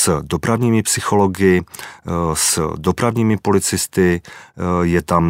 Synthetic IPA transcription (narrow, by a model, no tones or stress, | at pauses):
sdo̞pɾavɲiːmɪpsɪxo̞loɡɪ | sdo̞pɾavɲiːmɪpo̞lɪt͡sɪst̪ɪ | jɛt̪am